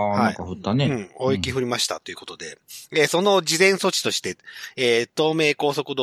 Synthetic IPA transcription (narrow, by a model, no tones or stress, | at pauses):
haaikaɸɯ̟t̪ːaneɯ̟̃ɴoːikʲiɸɯ̟ɾʲimaɕi̥t̪a̰t̪oiɯ̟ko̞t̪o̞d̪e̞eso̞no̞d͡ʑizẽ̞ɰ̃so̞t͡ɕi̥t̪o̞ɕi̥t̪e̞eːt̪o̞ːme̞ːko̞ːso̞kɯ̟d̪o